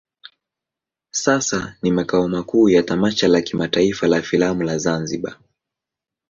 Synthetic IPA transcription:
sasanimakaɔmakuːjatamaʃalakimataifalafilamulazanziɓa̰

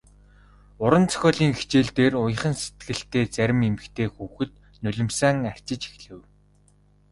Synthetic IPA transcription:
ʊɾə̆nt͡sœ̥xʲɔːɮiːŋxi̥t͡ɕeːɮt̪eːrʊj̆χə̆nset̪̚ɡɘ̆ɬt̪eːt͡sæɾʲɪ̆memɘ̆kt̪ʰeːxuːxɘ̆t̪̚ | nɵɮʲɪ̆msæːŋær̥ʲt͡ɕɪ̆t͡ɕi̥xɮɘ̆w

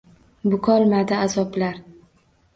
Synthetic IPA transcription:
bʊkʰɒlˠmad̪ɪazɒblaɾ

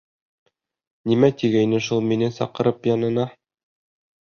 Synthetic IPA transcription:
nimæt̪iɡæjnɘʃulˠminɘsɒ̰qɤ̆ɾɤpjɒnɤ̆nɑ

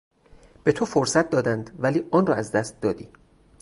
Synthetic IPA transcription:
b̥e̞t̪ʰofoɾsæt̪̚d̪ɒːd̪ænd̪væliːʔɒːnrɒːæzd̪æst̪̚d̪ɒːd̪iː

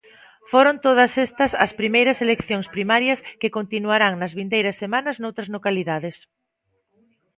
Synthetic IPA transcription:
foɾont̪oð̞ɐsɛst̪ɐsɐ̰spɾimejɾɐselekθjoŋspɾimaɾjɐskekont̪inuaɾaŋnɐzβind̪ejɾɐsːemanɐznowt̪ɾɐznokaliðaðɪs

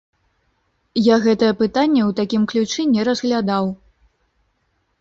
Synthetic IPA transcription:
jaɣɛt̪ɐjɛpɨt̪anʲːɛwt̪akʲimklʲut͡ʂɨnʲɛɾɐzɣlʲad̪aw

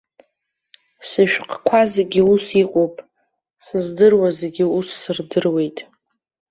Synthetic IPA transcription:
sɨʃᶣqʼkʷʰazeɡʲiusiqʼowpʼ | sɨzdɨrwaze̞ɡʲɪusːɨrdɨrwe̞jtʼ

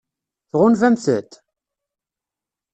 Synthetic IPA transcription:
θʁʊnvæmθə̰t̪

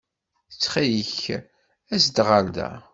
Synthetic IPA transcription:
t͡sːχæjəç | æsd̪ʁald̪æ̰

